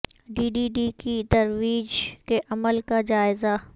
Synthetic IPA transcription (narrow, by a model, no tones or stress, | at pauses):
ɖiːɖiːɖikit̪ɐɾʋiːd͡ʒkeʔɐməlkad͡ʒaːɪza